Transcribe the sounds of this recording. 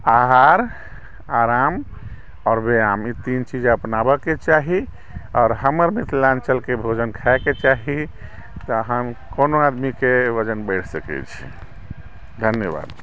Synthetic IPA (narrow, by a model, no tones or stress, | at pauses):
aɦaɾ | aɾam | ɔːɾbeamit̪int͡ʃid͡ʒəpnabəket͡ʃaɦi | ɔːɾɦəməɾmet̪ʰlãnt͡ʃəlkebʱod͡ʒənkʰaeket͡ʃaɦi | t̪ɔəɦəmkonoad̪mikeʋəd͡ʒənbəɪʈʰsəkɛ̰t͡ʃʰi̥̰ | d̪ʱənjəba̰d̪